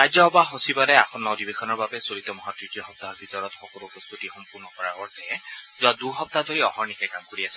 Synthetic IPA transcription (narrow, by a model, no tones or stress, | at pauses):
ɹajzɔɔbaɦosibalɛaxʰɔnːɔwdibexʰɔnɔɹbabɛsoɹit̪ɔmɔɦatɹitijɔxɔp̚t̪aɔɹbʱitɔɹɔtxɔkɔlukɔst̪utixɔmpuɹnɔkɔɹaɔɹt̪ɛɛzʊaduɦɔp̚t̪ad̪ʱoɹiɔhɔɹnikʰɛkamkoɹiasɛ̥